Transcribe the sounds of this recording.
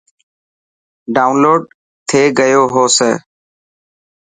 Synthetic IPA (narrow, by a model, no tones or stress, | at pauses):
ɖaːʊnloːɖ | t̪ʰeːɡəjoːɦoːseː